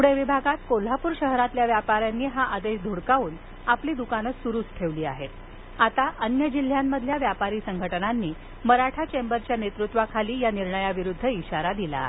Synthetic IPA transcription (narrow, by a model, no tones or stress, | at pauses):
uɽeʋibʱaɡat̪kol̤apuːɾɕəɦɾat̪ljaʋjapaɾjanːiːɦaʔad̪eɕd̪ʱuɽkauːn | apliːd̪ukanəsuɾuːsʈʰeʋliːaɦe | at̪aʔənjəd͡ʑil̤jamːəd̪ʱljaʋjapaɾiːsəŋɡʱəʈənanːiː | məɾaʈʰat͡ɕembəɾt͡ɕjanet̪ɾut̪ʋakʰaliːjaniɾɳəjaʋiɾud̪ʱːəiɕaɾad̪ila̰